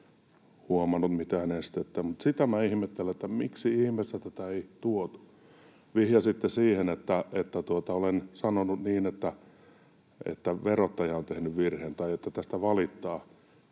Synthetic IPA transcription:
huomɑnːut̪mit̪æːnest̪et̪ːemut̪sit̪æmæihmet̪ːelːæet̪ːæmiksiihmest̪æt̪æt̪æeit̪uot̪u̥ | ʋihjɑsit̪ːesiːhenet̪ːæet̪ːæt̪uot̪ɑolensɑnonud̪niːnet̪ːæ | ḛt̪ːæʋerot̪ːɑjɑont̪ehnyʋʋirheːnt̪ɑiet̪ːæt̪æst̪æʋɑlit̪ːɑː

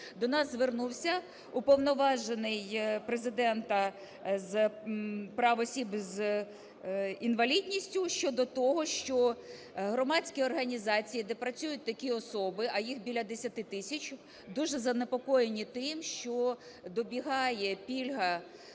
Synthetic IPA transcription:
d̪ɔnɑzzʋernuwsʲɐ | upɔwnɔʋɑʒenɪjpɾezɪd̪ɛnt̪ɐ | z | pɾɑʋɔsʲibz | inʋɐlʲidʲnʲisʲtʲʊʃt͡ʃɔd̪ɔt̪ɔɦɔʃt͡ʃɔ | ɦɾɔmɑdʲt͡sʲkʲiɔrɦɐnʲizɑt͡sʲijid̪ɛpɾɐt͡sʲujʊt̚ʲt̪ɐkʲiɔsɔbɪʔɐjixbʲilʲɐd̪esʲɐt̪ɪt̪ɪsʲɐt͡ʃ | d̪uʒɛzɐnepɔkɔjenʲit̪ɪmʃt͡ʃɔ | d̪ɔbʲiɦɑjɛpʲilʲɦɐ

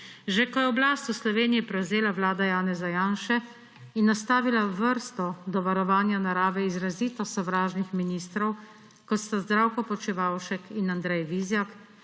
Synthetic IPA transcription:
ʒekɔjɛɔblaːst̪uslɔʋeːnijipɾɛwzeːlaʋlaːd̪ajaːnɛzajaːnʃɛ | inːast̪aːʋilaʋəɾst̪ɔd̪ɔʋaɾɔʋaːnjanaɾaːʋɛizɾaziːt̪ɔsɔʋɾaːʒnixminiːst̪ɾɔw | kɔt̪st̪azd̪ɾawkɔpɔt͡ʃiʋawʃɛkinand̪ɾɛjʋizjak

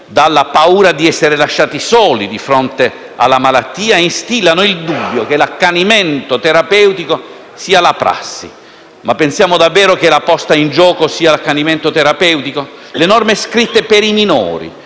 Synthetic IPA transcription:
d̪alːapauːɾad̪iɛsːeɾelaʃːaːt̪isɔːlid̪ifɾɔnt̪e | a̰lːamalat̪ːiːainst̪ilːanoild̪ubːjok̟elakːanimɛnt̪ot̪eɾapɛwt̪iko | siːalapɾʔa̰sːḭ | mapːensjaːmod̪avːɛːɾok̟elapɔst̪aind͡ʒɔːkosiːalakːanimɛnt̪ot̪eɾapɛwt̪iko | lenɔrmeskɾit̪ːepeɾiminɔ̰ːɾḭ

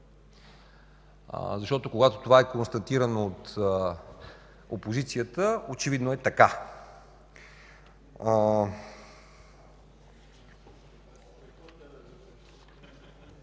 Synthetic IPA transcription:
zɐʃt̪ɔt̪okoɡat̪o̥t̪ovaɛkonst̪ɐt̪iɾənoot̪ | o̰pozit̪sijət̪əot͡ʃɛvid̪noɛt̪ɐka

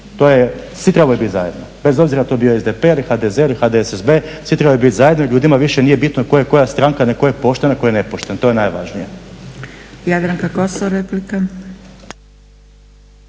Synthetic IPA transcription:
t̪oːjesʋit̪ɾebajebit̪za̰jed̪nobe̞zo̞bziɾat̪o̞ebijoezd̪epeilixad̪ezelixad̪eesezbesʋit̪ɾebajbit̪zajed̪noiʎuːd̪imaʋiʃenije̞bit̪noko̞jeko̞jast̪ɾaŋkanekojepo̞ʃt̪enakojenepoʃt̪ent̪o̞jenajʋa̰ʒnije | jad̪ɾaŋkakosooɾeplika

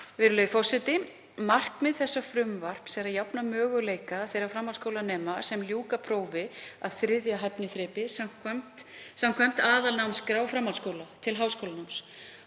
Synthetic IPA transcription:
vɪːɾʏlœːɥjfɔr̥sɛt̪ɪ | mar̥kmɛðθɛsːafɾʏmvar̥psɛɾaðjawpnamœːɣʏleːjkaθejɾafɾamːaw̪skowlanɛːmasɛmljuːkapʰɾoːwvɪað̥θɾɪðjaɦɛpnɪθɾɛːpɪsam̥kʰvam̥t̪sawm̥kʰvɛm̥t̪aːðalnawmskɾawfɾamːanskoːwlat̪ʰɪlɦaːwskowlanawms

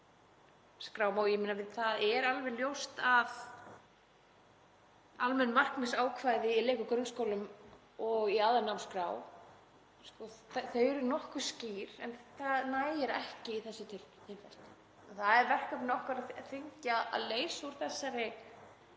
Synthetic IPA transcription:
skɾaːwmawjɛmenavɪðθaðɛɾalvɛnljowst̪av | almɛnːmar̥knmɪsaːwkʰvajðɪileːkʏkɾʏnskoːwlʏm | ɔɣiaðanawskɾaːw | skɔθθœɥɾʏnɔhkvʏ̥sciːɾɛnθaðnaːjjɪɾɛ̰hcɪiθɛsːʏt̪ʰɪlçɛnfɛl̥t̪ | θaðɛɾvɛr̥kœpnɪɔhkvaɾaðθɪɲcaa̰leːjsuɾ̥θɛsːaɾɪ

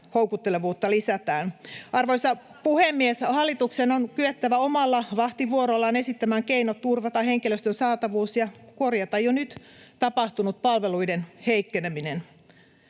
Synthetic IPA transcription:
houwkut̪ːeleʋuːt̪ːɑlisæt̪æːnʔɑrʋoisɑpuhemːieshɑlːˑit̪uksenonkyøt̪ːæʋæomɑlːɑʋɑht̪iʋuoɾolːɑːne̞sit̪ːæmæːŋkeinot̪t̪ːurʋɑt̪ɑheŋkiløst̪ønsɑːt̪ɑʋuːsjɑkorjɑt̪ɑjjonyt̪t̪ɑpɑht̪unut̪̚pɑlʋeluidenheikːeneminen

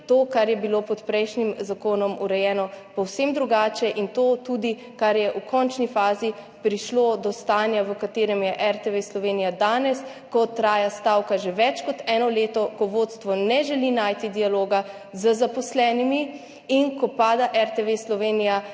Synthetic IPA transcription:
t̪oːkaɾjɛbilopɔt̪pɾɛjʃnimzakoːnɔmuɾɛjɛːnɔpɔwsemd̪ɾuɡaːt͡ʃɛʔint̪oːt̪uːd̪i | kaɾjɛʔukʰɔnt͡ʃnifaːzi | pɾiʃlod̪ɔst̪aːnjaʋəkat̪eːɾɛmjɛʔɛɾt̪ɛʋeslɔʋeːnijad̪aːnɛs | kɔt̪ɾaːjast̪aːwkaʒɛʋɛt͡ʃkɔt̪ɛːnɔleːt̪ɔkɔʋot̪st̪ʋɔnɛʒɛlinaːjt̪id̪ialoːɡa | zəzapɔslɛːnimi | inkɔpaːd̪aʔɛɾt̪ɛʋeslɔʋenija

